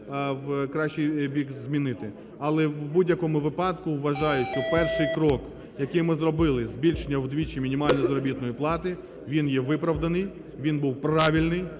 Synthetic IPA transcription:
wkɾɑʃt͡ʃːijbʲikzmʲinɪt̪ɪ | ɐlˠɛwbudʲjɐkɔmʊʋɪpɑd̪kʊʋːɐʒɑjʊɔpɛrʃɪjkɾɔk | jɐkɪjmɪzɾɔbɪlˠɪzbʲilʲʃenʲːɐwd̪ʋʲit͡ʃimʲinʲimɑlʲnɔzɐɾɔbʲit̪nɔjiplˠɑt̪ɪ | ʋʲinjɛʋɪpɾɐwd̪ɐnɪj | ʋʲinbuwpɾɑʋʲilʲnɪj

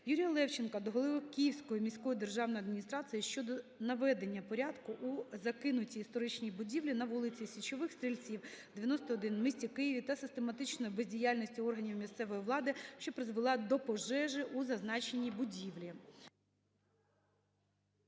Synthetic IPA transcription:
juɾʲijɐlˠɛwt͡ʃenkɐd̪ɔɦɔlˠɪʋɪkʲijiwsʲkɔjɔmʲisʲkɔjid̪erʒɑwnɔjɐd̪mʲinʲist̪ɾɑsɨjiʃt͡ʃɔd̪ɔnɐʋɛd̪e̞nʲːɐpɔɾʲad̪kʊʔuzɐkɪnʊtʲiːst̪ɔɾɪt͡ʃnʲibʊdʲiwlʲinɐʋulˠɪt͡sʲisʲʋʲit͡ʃɔʋɪxst̪ɾʲilʲt͡sʲiwd̪̥eʋʲjɐnɔst̪ɔːd̪ɪnmɪsʲtʲikɪjiʋʲit̪ɐsɪst̪e̞mɐt̪ɪt͡ʃnɔjibezʲdʲijalʲnʲɔsʲtʲiɔrɦɐnʲiwmʲist̪sɛʋɔjiʋlˠɑd̪ɪʃt͡ʃɔpɾɪzʋɪlˠɑd̪ɔpɔʒɛʒɪʔuzɐznɑt͡ʃenʲːibʊdʲiʋlʲi

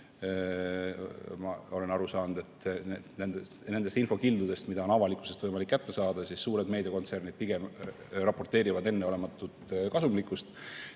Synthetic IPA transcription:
mɑo̞lenɑɾusɑːnud̪e̞t̪ːnenend̪ened̪̥est̪info̞kild̪ud̪̥e̞st̪mid̪ɑo̞nɑvɑlikːˑu̥sest̪vɤjmɑlikːæt̪ːe̞sɑːd̪̥ɑsisːuːɾe̞d̪me̞jd̪eko̞nt̪sernid̪̥̚piɡ̥e̞m | rɑpo̞rt̪e̞ːɾivɑd̪e̞nːeo̞le̞mɑt̪ːˑut̪kɑsumlikːˑust̪

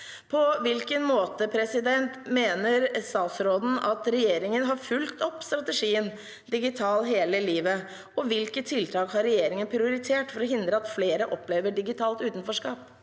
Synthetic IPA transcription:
pʰɔʋɪlkənmoːt̪əpʰɾɛsɪd̪ɛnt̪meːnəɾst̪ɑːt̪sɾoːd̪n̩ɑt̪ɾɛjeːɾɪŋənɦɑɾfʉlt̪ʰɔpːst̪ɾɑt̪ɛʂiːən | d̪ɪɡɪt̪ʰɑːlɦeːləliːʋə | ɔʋɪlkət̪ʰːɪlt̪ʰɑːkhɑɾɛjeːɾɪŋənpʰɾɪʊɾɪt̪ʰeːʈfɔɾɔɦɪnd̪ɾəɑt̪fleːɾəʔɔpːleːʋəɖɪɡɪt̪ʰɑːlt̪ʉːt̪n̩fɔʂkɑːp

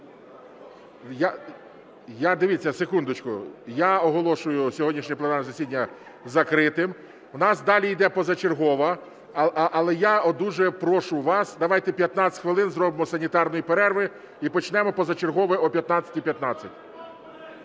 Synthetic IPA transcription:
ja | jad̪eʋʲit͡sʲːɐsekund̪ʊt͡ʃkʊjaɔɦɔlˠɔʃʊjʊsʲɔɦɔdʲnʲiʃnʲiplˠɐnanzɐsʲid̪ʲnʲːɐ | zɐkɾɪt̪ɪm | wnɑsd̪ɑlʲijd̪ɛpɔzɐt͡ʃerɦɔʋɐ | ʔːlˠɛjaɔd̪uʒɛpɾɔʃʊʋɑsd̪ɐʋɑjt̪ɛpʲjɐt̪nɑt͡sʲt̪ʲxʋɪlˠɪnzrɔbɪmɔsɐnʲit̪ɑrnɔjipeɾɛrʋɪ | ipɔt͡ʃnɛmɔpɔzɐt͡ʃerɦɔʋɪɔpʲjɐt̪nɑt͡sʲɐ̥tʲipʲjɐt̪nɑt͡sʲːɐtʲ

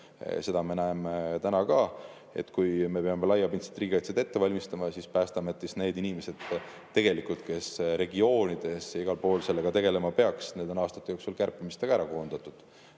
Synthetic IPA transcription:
se̞d̪̥ɑme̞næemet̪ænɑkɑ | e̞̰t̪ːˑkujme̞peɑme̞lɑjːɑbinse̥t̪ːˑriːɡiɑjt̪sed̪e̞t̪ːe̞vɑlʲmist̪ɑmɑsispæːst̪ɑmɑt̪ːˑisne̞ːd̪inime̞se̞d̪̥ | t̪ːe̞ɡ̥e̞likult̪ke̞sɾe̞ɡio̞ːnʲid̪̥e̞siɡ̥ɑlpo̞ːlse̞lːeɡ̥ɑt̪e̞ɡ̥e̞le̞mɑpe̞ɑksned̪enɑːst̪ɑ̥t̪ːˑejoksulkærpːˑimist̪eɡ̥ɑæɾɑko̞ːnd̪̥ɑt̪ːˑud̪̥

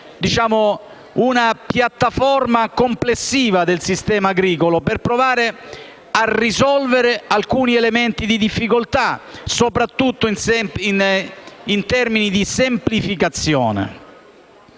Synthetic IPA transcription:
d̪it͡ʃaːmo | unapjat̪ːafɔrmakomplesːiːvad̪elsist̪ɛːmaːɡɾiːkoloperpɾovaːɾe | arizɔlveɾealkuːnielement̪id̪id̪ifːikolt̪asopɾat̪ːut̪ːoinsɛin | int̪ɛrminid̪isemplifikat̪sːjɔ̰ːnḛ

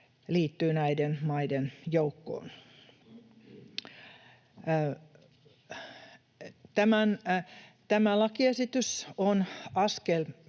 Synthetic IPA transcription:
liːt̪ːyːnæidenmɑidenjoukːo̰ːn | t̪æmæn | t̪æmælɑkiesit̪ysonɑskel

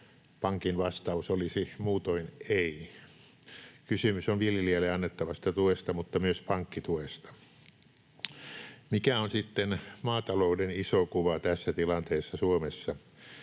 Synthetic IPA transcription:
pɑŋkinʋɑst̪ɑusolisimuːt̪oinei | kysymysonʋiljelielːeɑnːet̪ːɑʋɑst̪ɑt̪uest̪ɑmut̪ːɑmyøspɑŋkːit̪uest̪ɑ̥ | mikæonsit̪ːenmɑːt̪ɑloudenisokuʋɑt̪æsːæt̪ilɑnt̪eːsːɑsuomesːɑ

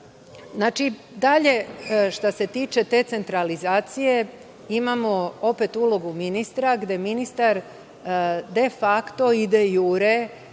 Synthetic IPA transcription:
znaːt͡ʃi | d̪aʎe̞ʃt̪ase̞t̪iːt͡ʃe̞t̪e̞t̪se̞nt̪ɾalizaːt̪sije̞ | imamo̞o̞pe̞t̪ulo̞ɡuminist̪ɾaɡd̪e̞minist̪aɾ | d̪efakt̪o̞id̪ejuːɾe

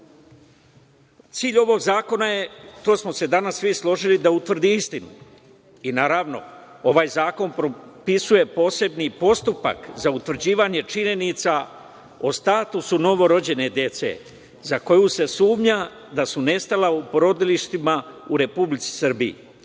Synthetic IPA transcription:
t̪siːʎʲo̞ʋo̞ɡzaːko̞naje̞t̪o̞ːsmo̞se̞d̪anasʋislˠo̞ʒilid̪aut̪ʋr̩d̪iist̪inu | inaːɾaʋno̞̰ | o̞ʋaːjzaːko̞npɾopisuje̞po̞ːse̞bnipo̞st̪upa̰kzaut̪ʋr̩d͡ʑiːʋaɲe̞t͡ʃiɲe̞nit̪sa | ost̪aːt̪usuno̞ʋo̞ɾo̞d͡ʑe̞ne̞d̪je̞t̪se̞̰ | zako̞juse̞suːmɲa | d̪asune̞st̪alaupɾo̞d̪iliʃt̪imauɾe̞publit̪si̥sɨr̩biḭ

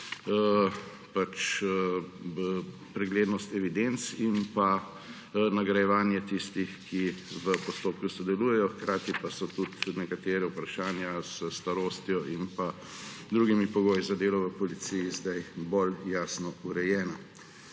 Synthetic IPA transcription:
pat͡ʃ | pɾɛɡleːd̪nɔst̪ɛʋid̪ent̪sinpa | naɡɾajɛʋaːnjɛt̪ist̪ixkiʋəpɔst̪oːp̚kusɔd̪ɛluːjɛjɔxkɾʔaːt̪ipasɔt̪ut̪nɛkat̪eːɾɛupɾaʃaːnjaz̥əst̪aɾoːst̪jɔʔinpa | d̪ɾuːɡimipɔɡoːjizɐd̪eːlɔʋəpɔlit̪sijizd̪ajboljaːsnɔuɾɛjɛːna

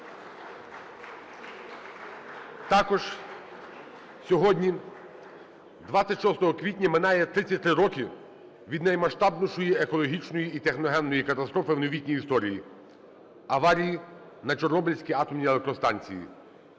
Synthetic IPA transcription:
t̪ɑkɔʒ̥ | sʲɔɦɔdʲnʲi | d̪ʋɑt͡sʲːɐtʲʃɔst̪ɔɦɔkʋʲitʲnʲɐmɪnɑjɛt̪ɾɪt͡sʲːɐt̚ʲt̪ɾɪɾɔkʲi | ʋʲid̪nɐjmɐʃt̪ɑbnʊʃɔjiekɔlˠɔɦʲit͡ʃnɔjiit̪exnɔɦɛnːɔjikɐt̪ɐst̪ɾɔfɪwnɔʋʲitʲnʲijist̪ɔɾʲijḭ | ɐʋɑɾʲiji | nɐt͡ʃɔrnɔbɪlʲsʲkʲiɑt̪ɔmnʲielˠek̚t̪ɾɔst̪ɑnʲt͡sʲḭjḭ

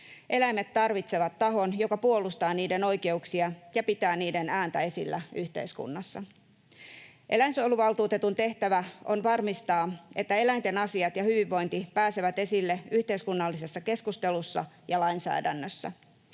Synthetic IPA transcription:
ʔe̞læjmet̪t̪ːɑrʋit̪se̞ʋɑt̪ːɑɦo̞njo̞kɑpuo̞lust̪ɑːniːde̞no̞jke̞uksiɑjɑpit̪æːniːde̞næːnt̪æe̞silːæyht̪ḛiskṵnːɑsːɑ | ʔe̞læjnsoluʋɑlˠt̪uːt̪e̞t̪unt̪e̞ht̪æʋæo̞nʋɑrmist̪ɑːe̞t̪ːæe̞læjnt̪e̞nɑsiɑt̪jɑhyʋiʋːo̞jnt̪ipæːse̞ʋæt̪e̞silːeyht̪e̞iskunːɑlːise̞sːɑke̞skust̪e̞lusːɑ̰ | jɑlɑinsæ̰ːdænːøsːæ̰

